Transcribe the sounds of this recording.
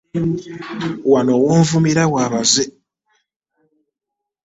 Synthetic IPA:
wanowoːɱvumiɾawaβaze

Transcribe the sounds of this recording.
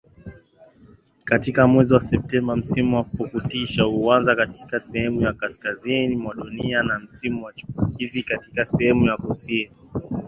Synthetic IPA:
katikamwɛziwasɛp̚tɛmbam̩simuwapukutiʃahuanzakati̥kasɛhɛmujakaskazinimwaɗunianam̩simuwat͡ʃu̥fukʰizikati̥kasɛhɛmujakusini

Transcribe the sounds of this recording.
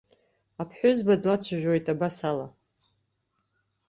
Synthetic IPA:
apʰħʷᶣʊzbadlat͡ɕʷʰaʒᶣo̞jtʼabasala

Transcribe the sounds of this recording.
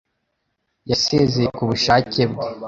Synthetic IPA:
jaseːzejekuβuʃaːce̞bɡe

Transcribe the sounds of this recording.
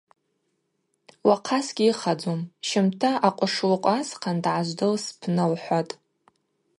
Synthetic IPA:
waqʰasɡʲiiχad͡zomʃɪmtʰaʔaqʷʼʊʂlqʷʼasqʰandʕaʒʷdɨlspʰnɨlħʷatʼ

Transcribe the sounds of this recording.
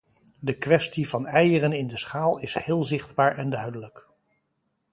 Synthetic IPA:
dəkʋɛstivɑnɛjərənɪndəsχaːlˠɪshɪːlˠzɪχdbaːɹɛndœɥdələk

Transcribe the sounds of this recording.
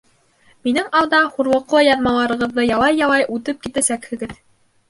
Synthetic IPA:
minɘŋɑw̪d̪ɑχuɾlˠɤ̆qlˠɤjɑðmɑlˠɑɾɤ̆ʁɤ̆ðːɤjɑlˠɑjːɑlˠɑjʔʉt̪ɘp̚kit̪æsækhɘ̆ɡɘð

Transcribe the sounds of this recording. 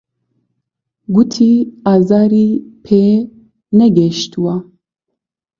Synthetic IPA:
ɡut̪ʰiːaːzaːɾiːpʰeː | nɛɡɛʃt̪uwa

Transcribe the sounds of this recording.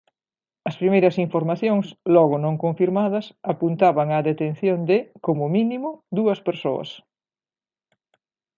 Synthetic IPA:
ɐspɾimejɾɐsiɱfoɾmaθjoŋslɔɣʊnõŋkoɱfiɾmaðɐsapunt̪aβɐŋɐðet̪enθjond̪ɪkomʊminimʊd̪uɐspeɾsoɐ̰s

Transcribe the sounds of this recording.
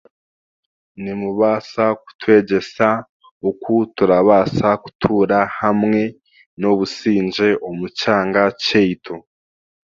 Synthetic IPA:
nimuβaːsak̚u̥twe̞ːɟe̞sa | ukʰutuɾaβaːsaku̥tʰuːɾahamŋe̞ | no̞βusiːɲd͡ʒe̞ʔo̞mucaːŋɡaceitʰo

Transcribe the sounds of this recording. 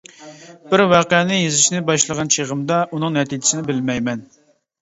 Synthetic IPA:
bɪɾwɑːqɛnɪjezɪʃnɪbɑʃlˠəʁɑnt͡ʃʰeʁəmd̪ɑʔun̪ɨŋnɛt̪id͡ʒɪ̥sɪnɪbɪlmɛjmɛn

